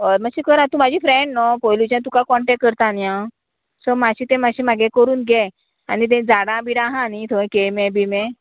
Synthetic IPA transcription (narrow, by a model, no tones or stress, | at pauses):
əɾmaɕikəɾãt̪ũmad͡ʑʱifɾeɳɖnɔpɔjlut͡ɕãt̪ukakɔɳʈɛk̚ːəɾt̪anjã | sɔmaɕit̪ɛ̃maɕimaɡẽkəɾuːnɡɛ | a̰nit̪̬ɛ̃d͡zaɽãbiɾãɦãnit̪ʰoẽkemɛ̃bimɛ̃